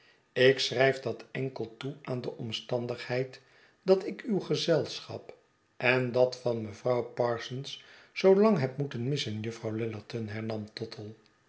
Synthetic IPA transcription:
ɪksrɛjfdɑtɛŋkəlˠtuaːndəʔɔmstɑndəχhɛjt | dɑtɪkywχəzɛlˠsχɑ̰p | ʔɛndɑtfɑnməvrɑwpɑːɹsəns | z̥owlɑŋɦɛpmutənmɪsənjəfrɑwlɪləɹtənɦɛɹnɑmtɔtʰəlˠ

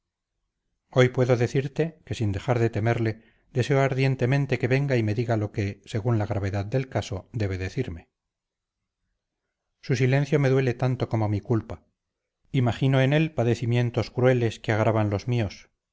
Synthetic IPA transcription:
o̞jpwe̞ðo̞ðe̞θiɾt̪e̞ke̞sind̪e̞xaɾðe̞t̪e̞me̞ɾle̞ | d̪e̞se̞oaɾðje̞nt̪e̞mẽ̞nt̪e̞ke̞βe̞ŋɡaime̞ðiɣalo̞kese̞ɣunlaɣɾaβe̞ðaðd̪e̞lkaso̞d̪e̞β̞e̞ðe̞θiɾme̞ | susilẽ̞nθjo̞me̞ðwe̞le̞t̪ant̪o̞ko̞momikulpa | imaχinoe̞ne̞lpaðe̞θimjẽ̞nt̪o̞skɾue̞le̞skeaɣ̞ɾaβanlo̞zmio̞s

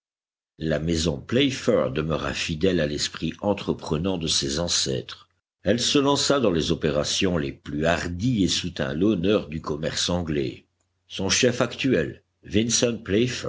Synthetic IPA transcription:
lamɛzɔ̃plɛfœʁd̪əməʁa̰fid̪ɛlalɛspχiɑ̃t̪χəpχənɑ̃d̪əsezɑ̃sɛ̰ːt̪χ | ɛlsəlɑ̃sad̪ɑ̃lezɔpeʁasjɔ̃leplyaʁd̪iesut̪ɛ̰̃lɔnœʁd̪ykɔmɛʁsɑ̃ɡlɛ̰ | sɔ̃ʃɛfakt̪ɥɛl | vinsɔnplɛfɛ

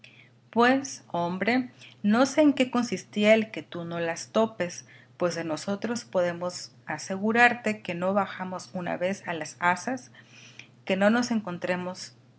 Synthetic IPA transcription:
pwe̞so̞mbɾe̞no̞se̞ːŋke̞ko̞nsist̪iaelke̞t̪uno̞last̪o̞pe̞s | pwe̞zðeno̞so̞t̪ɾo̞spo̞ðe̞mo̞sase̞ɣuɾaɾt̪e̞ke̞no̞βaxamo̞suna̰βe̞salasasas | ke̞no̞no̞se̞ŋko̞nt̪ɾe̞mo̞s

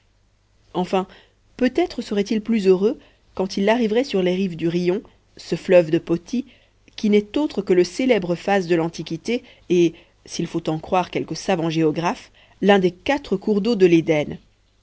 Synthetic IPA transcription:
ɑ̃fɛ̃ | pøt̪ɛt̪χəsəʁɛt̪ilplyzøʁø | kɑ̃t̪ilːaʁivʁɛsyʁleʁivd̪yʁijɔ̃ | səflœvd̪əpɔt̪ʰi | kʲinɛt̪ot̪χəkələselɛbʁəfazd̪əlɑ̃t̪ikʲit̪e | e | silfot̪ɑ̃kχwaʁkʲɛlkəsavɑ̃ʒeɔɡʁaf | lɛ̃d̪ekat̪χəkuʁd̪od̪əled̪ɛn

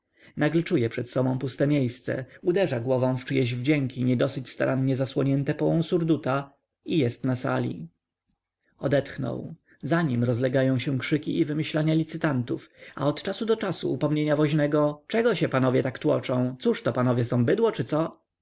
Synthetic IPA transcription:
naɡlɛt͡ʂujɛpʂɛt̪sɔbɔ̃w̃pust̪ɛmʲjejst̪sɛ̰ud̪ɛʐaɡwɔvɔ̃w̃ft͡ʂɘjɛʑvd͡ʑɛŋkʰʲiɲɛd̪ɔsɘt͡ɕst̪a̰ɾʔanɲɛzaswɔɲɛnt̪ɛpɔwɔ̃w̃suɾd̪ut̪a | ijɛst̪nasa̰lʲḭ | ɔd̪ɛt̪xnɔ̰w | zaɲimɾɔzlɛɡajɔ̃w̃ɕɛ̃w̃kʂɘkʲiʔivɘmɘɕlaɲalʲit̪sɘt̪ant̪ufa̰ɔt̪t͡ʂasud̪ɔt͡ʂasṵːpɔmɲeɲavɔʑnɛɡɔt͡ʂɛɡɔɕɛpanɔvʲjɛt̪akt̪wɔ̰t͡ʂɔ̃w̃t̪suʂt̪ɔpanɔvʲjɛsɔ̃w̃bɘd̪wɔt͡ʂɘt̪sɔ

